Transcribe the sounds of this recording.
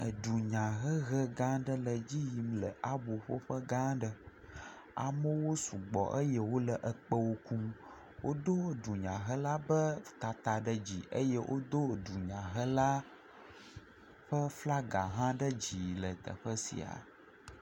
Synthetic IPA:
ə˨ɖu˨ɲã˨ɣə˦ɣə˦ɡã˦ɖə˦lə˨d͡ʑi˦ji˨mlə̰˨ʔa˦bo˨ɸo˦ɸə˦ɡã˦ɖə˦ | a̰˨mə˦wo˦su˨ɡ͡bɔ̰˨ʔə˦jɛ˦wo˦lə˨ʔə˨k͡pə˦wo˦ku˦m | wo˦d̪o˦˨ɖu˨ɲã˨ɦə˦la˦bə˦t̪a˨t̪a˨ɖə˦d͡ʑi˨ʔə˦jɛ˦wʔo̰˦d̪o˦˨ɖu˨ɲã˨ɦə˦la˦ | ɸə˦fla˦ɡa˨ɦã˦ɖə˦d͡ʑi˨lə˨t̪ə̰˨ɸə˦sḭ˨a̰˨

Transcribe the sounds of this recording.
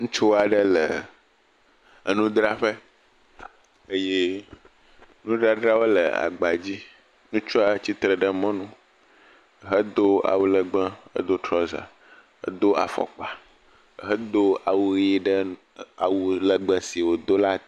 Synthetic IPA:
ŋũ˦t͡ʃo˦wa˨ɖə˦lə˨ | nũ˦d̪ɾa˦ɸə˦ | ə˦je˦ | nũ˦ɖɾa˦ɖɾa˦wo˦lə̰˨a̰˨ɡ͡ba˨d͡ʑi˦ | nũ˦t͡ʃu˦a˨˦t͡ɕi˦t̪ɾə˨ɖə˦mɔ̃˦nũ˦˨ | ɦə˦d̪o˦a̰˨wu˦lə˨ɡ͡bə̃˦ə̰˦d̪o˦t̪ɾɔ˦za̰˨ | ə̰˦d̪o˦a̰˨fɔ̰˨k͡pa˨ | ɦə˦d̪o˦a˨wu˦ɣi˦ɖə˦ | a˨wu˦lə˨ɡ͡bə̃˦si˨wo˨d̪o˦la˦

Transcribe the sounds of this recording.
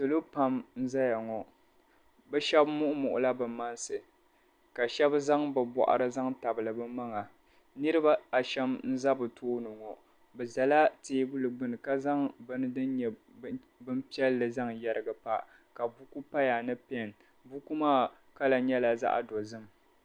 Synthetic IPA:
sɨ˨lo˦pa˦mn̩˦za˦ja˨ŋɔ˨ | bɛ˦ʃɛ˦bmʊ˦ʔʊ˦mʊ˨ʔʊ̰˨la˦bɨ˨ma˦nsɨ˨ | ka˨ʃɛ˦bza˦ŋbɨ˨bɔ̰˨ʔa̰˨ɾɨ˦za˦ŋta˨bɨ˨lɨ˨bɨ˦ma˦ŋa˨ | nɨ˦ɾɨ˦ba˦a˨ʃɛ˦mn̩˦za˦bɨ˨tʰoː˦nɨ˨ŋɔ˨ | bɛ˨za˨la˦teː˨˦bu˦lɨ˨ɡ͡bɨ˦nɨ˨ka˦za˦ŋbɨ˦nɨ˦dɨ˦n˦ɲɛ˨ | bɨ˦mpi˦ɛ˦lːɨ˨za˦ŋjɛ˦ɾɨ˦ɡa˨pa˦˨ | ka˨bu˦ku˦pa˦ja˨nɨ˦pɛ˦˨n | bu˦ku˦maː˦˨ | ka˦la˨ɲɛ˦la˨za̰˦ʔa̰˨do˨zɨ˦m˨

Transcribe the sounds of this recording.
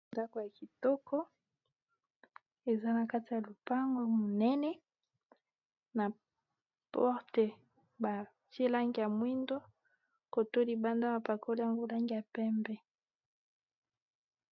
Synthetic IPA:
nda˦ko˨ja˨ki˨tɔ˦kʰɔ˦ | e˨za˦na˨ka˦ti˨ja˨lo˨pa˦ŋɡo˦mo˨nɛ˦nɛ˦ | na˨ | pɔ˦ʁte˨ | ba˨ | tje˦la˦ŋɡi˨ja˨mwi˦ndo˦ | ko˨to˦li˨ba˦nda˦ba˨pa˨ko˦li˦a˨ŋɡo˦la˦ŋɡi˨ja˨pɛ˦mbɛ˦

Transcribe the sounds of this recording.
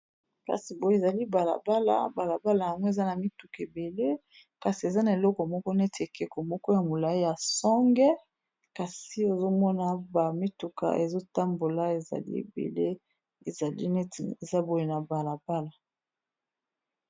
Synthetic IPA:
ka̰˨si˨bo˨e˨za˨li˦ba˨la̰˨ba˦la̰˨ba˨la˨ba˦la˨ja˨ŋɡɔ˦e˨za˦na˨mi˦tu˨ke˨be˨le˦ | ka˨si˨e˨za˦na˨e˨lɔ˦kɔ˨mɔ˦kɔ˦ne˦te˨kɛ˨kɔ˨mɔ˦kɔ˦ja˨mo˨la˨i˦ja˨sɔ˦ŋɡɛ˦ | ka˨si˦o˨zo˦mɔ˦na˨ba˨mi˦tu˨ka̰˨ʔe˨zo˦ta˦mbo˨la˦e˨za̰˨lḭ˦ḛ˨bḛ˨le˦ | e˨za˨lḭ˦ne˦ti˨e˨za˦bo˨je˨na˨ba˨la˨ba˦la˨

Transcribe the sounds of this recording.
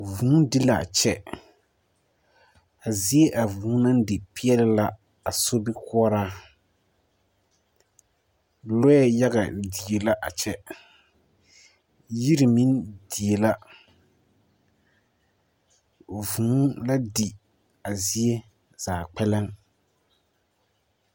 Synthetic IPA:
vũː˨˦dɪ˦la˨a̰˨t͡ʃɛ˦ | a˨zi˦e˦ʔa˨vuː˨˦na˦n˦dɪ˨pi˦ɛ˦lɪ˦la˦ | a˨so˦bi˦kʊ˦ɔ˦ɾaː˦ | lʊ˦ɛ˦ja˦ɣa̰˨di˨e˨la˦ʔa˨t͡ʃɛ˦ | ji˦ɾi˨mi˦ndi˨e˨la˦ | vũː˨˦la˦di˨ | a˨zi˦e˦ | zaː˨k͡pɛ˦lɛ˦ŋ

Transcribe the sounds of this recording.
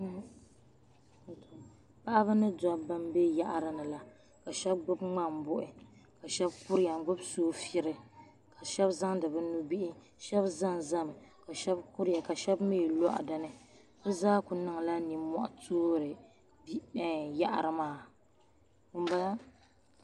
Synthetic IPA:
to˨ | pa˦ʔa˦bɨ˦nɨ˦da˦ba˦mbe˦ja˦ʔa˨ɾɨ˨nɨ˨la˦ | ka˨ʃɛ˦b̚ɡ͡bʊ˦bŋ͡ma˦mbʊ˦ʔɪ˨ka˨ʃɛ˦bkʊ˦ɾja˨ɡ͡bʊ˦bsoː˦fi˦ɾɨ˨ | ka˨ʃɛ˦bza˦ŋdɨ˨bɨ˦nu˦bi˦ʔɪ˦ | ʃɛ˦bza˦ŋza˦m˨ka˨ʃɛ˦bkʊ˦ɾja˨ka˨ʃɛ˦bmeː˦˨lɔ˦ʔa̰˨dɨ˨nɨ˦bɨ˦zaː˦kʊ˨nɨ˦ŋ˨la˦ni˨mɔ˦˨ʔa̰˨tʰoː˦ɾɨ˨ | bja˦ʔa̰˨ɾɨ˨maː˦˨ | m˦ba˦la˦

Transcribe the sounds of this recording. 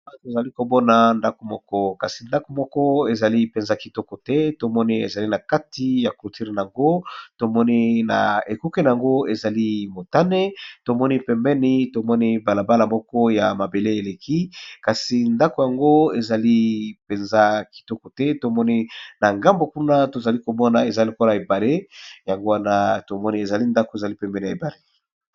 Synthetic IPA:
a˦to˨za˨li˦ko˨bɔ˦na˨nda˦ko˨mɔ˦kɔ˦ka˨si˨nda˦ko˨mɔ˦kɔ˦e˨za˨li˦pe˨nza˦ki˨tɔ˦kɔ˨tɛ˦to˨mɔ˦ni˦ḛ˨za˨li˦na˨ka˦ti˨ja˨ku˨ti˦ʁna˨a˨ŋɡo˦to˨mɔ˦ni˦na̰˨e˨ku˦ke˦na˨ja˨ŋɡo˦e˨za˨li˦mo˨ta˦ne˦to˨mɔ˦ni˦pɛ˨mbɛ˦ni˦to˨mɔ˦ni˦ba˨la˨ba˦la˨mɔ˦kɔ˦ja˨ma˨be˨le˦e˨le˨ki˦ka˨si˨nda˦ko˨ja˨ŋɡo˦e˨za˨li˦pe˨nza˦ki̥˨tɔ˦kɔ˨tɛ˦to˨mɔ˦ni˦na˨ŋɡa˦mbo˨ku˦na˦to˨za˨li˦ko˨mɔ˦na˨e˨za˨lo˨ko˦la˨e˨ba˨le˦ja˨ŋɡo˦wa˦na˦to˨mɔ˦ni˦e˨za˨li˦nda˦ko˨e˨za˨li˦pɛ˨mbɛ˦ni˨a˨e˨ba˨le˦

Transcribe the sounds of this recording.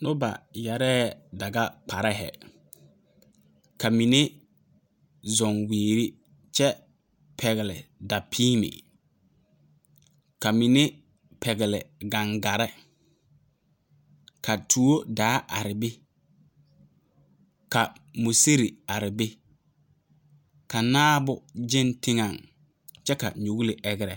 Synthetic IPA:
nʊ˦ba̰˨ja˨ɾɛː˦da˨ɡa˦k͡pʰa˨ɾɛ˦ɦɛ̰˨ | ka˨mi˨ne˦ | zɔ˨ŋweː˨ɾi˦ | t͡ʃɛ˦ | pʰɛ˨ɣɪ˨lɪ˨da˨pʰiː˦mɪ̰˨ | ka˨mi˨ne˦ | pʰɛ˨ɣɪ˨lɪ˨ɡa˨ŋɡa˨ɾɛ˦ | ka˨tʰu˨˦o˦daː˨˦ʔa˨ɾɪ˨bɪ˦ | ka˨mo˨se˦ɾi˨a˨ɾɪ˨bɪ˦ | ka˨naː˦bʊ˨d͡ʒɪ˦ntɪ˦ŋa˨ŋ | t͡ʃɛ˦ka̰˨ɲo˨ɣlɪ˨ʔɛ˦ɣɪ˦ɾɛ˨

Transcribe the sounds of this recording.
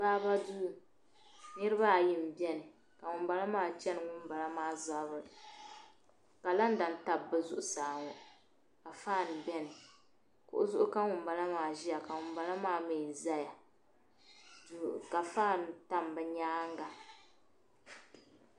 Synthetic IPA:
baː˦ba˦du˦˨ | nɨ˦ɾɨ˦βa˦˨jɪ˦m̩˨bi˦ɛ˦nɨ˨ | ka˨ŋʊ˨m˦ba˦la˦maː˦˨t͡ʃɛ˦nɨ˨ŋʊ˦m˦ba˨la˦maː˦za˨˦bɨ˨ | ka˨la˦n˦da˨n˦ta˦bːɨ˦zʊ˦ʔʊ˨saː˨ŋɔ˨ | ka˨faː˦˨n˨bɛ˦nɨ˨ | kʊ̰˦ʔʊ̰˦zʊ˦ʔʊ˦ka˦ŋʊ˨m˦ba˦la˦maː˨ʒi˦ja˨ka˨ŋʊ˨mba˦la˦maː˦me˨za˦ja˨ | ka˨faː˦˨n˨ta˦mbɛ˨ɲaː˦ŋɡa˨

